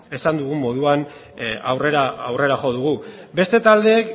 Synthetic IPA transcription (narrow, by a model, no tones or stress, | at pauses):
e̞sand̪uɣumo̞ðuan | a̰wre̞ɾaawre̞ɾaxo̞ðuɣu | be̞st̪e̞t̪ald̪e̞ːk